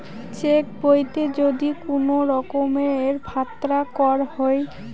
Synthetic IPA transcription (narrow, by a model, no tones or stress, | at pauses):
t͡ɕek̚bojt̪ed͡ʑod̪ikonoɾɔkomeeɾbʱat̪ːɾakɔɾhɔj